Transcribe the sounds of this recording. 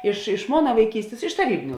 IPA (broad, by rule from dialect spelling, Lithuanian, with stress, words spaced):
ɪʃ ɪʃ ˈmoːnɐ ʋɐɪˈkʲiːsʲtʲeːs ɪʃ tɐˈrʲiːbʲɪnʲʊ